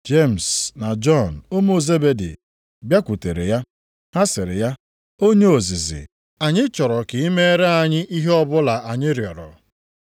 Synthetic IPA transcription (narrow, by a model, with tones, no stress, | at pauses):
d͡ʒe˦˨m̩˨sna˨d͡ʒɔ˦˨n̩˨ʊ˦mo˦˨ze˦be˦dḭ˨ | bja˦kʷu˨te˨ɾḛ˨ja˦ | ha˦sɪ˨ɾɪ̰˨ja˦ | o˦ɲe˦o˨zɪ˨zɪ̰˨ | a˨ɲɪ˦t͡ʃɔ˨ɾɔ˨kɪ˨i˦me˦ɾe˦a˨ɲɪ˦ʔi˦ɦe˦ɔ˦bʊ˦la˨ʔa˨ɲɪ˦ɾjɔ˨ɾɔ̰˨